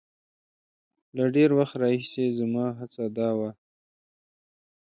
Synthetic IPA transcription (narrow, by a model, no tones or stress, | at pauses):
laɖeɾwaxt̪ɾɑhisezamɑɦat͡sad̪ɑwa